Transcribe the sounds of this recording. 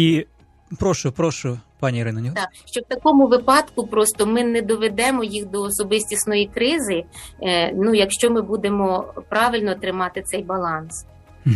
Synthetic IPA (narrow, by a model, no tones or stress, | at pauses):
i | pɾɔʃʊpɾɔʃʊpɑnʲiiɾɪnɐnʲit̪ɑʃt͡ʃɔwt̪ɐkɔmʊʋɪpɑd̪kʊpɾɔst̪ɔmɪnɛd̪ɔʋed̪ɛmɔjixd̪ɔːsɔbɪsʲtʲisnɔjikɾɪzɪ | nujɐkʃt͡ʃɔmɪbud̪emɔpɾɑʋɪlʲnɔːt̪ɾɪmɑt̪ɪt̪sɛjbɐlˠɑns